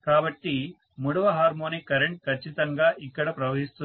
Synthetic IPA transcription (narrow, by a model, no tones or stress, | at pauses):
kaːbɐʈːi | muɽɐʋɐɦaːɾmoːnikɐɾeɳʈ̚kʰɐt͡ʃːit̪ɐŋɡaːʔikːɐɽɐpɾɐʋɐɦist̪u